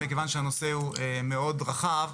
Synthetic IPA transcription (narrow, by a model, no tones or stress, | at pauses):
ikevanʃeano̞seueme̞o̞dʁaχav